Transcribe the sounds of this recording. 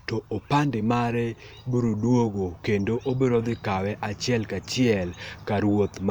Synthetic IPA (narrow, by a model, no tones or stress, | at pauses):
tɔʔopandɪmaɾɛbuɾodwoɡokendoʔobeɾɔd̪ɪkawɛʔat͡ʃɪɛlkat͡ʃɪɛlkaɾwot̪m